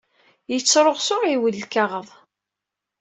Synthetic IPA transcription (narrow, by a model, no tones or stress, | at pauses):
jət͡sːɾˤoʁsʊʁiwəlːkaʁəðˤ